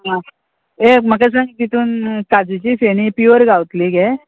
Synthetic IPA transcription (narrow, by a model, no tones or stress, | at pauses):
ɦã | em̤ək̬asãŋɡit̪it̪uːnkad͡zit͡ɕiːseñipuəɾɡaʋwt̪liɡe